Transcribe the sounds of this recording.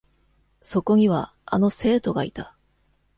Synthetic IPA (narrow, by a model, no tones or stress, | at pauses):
so̞ko̞ɲ̟iβa̰ | a̰no̞se̞ːt̪o̞ɡait̪a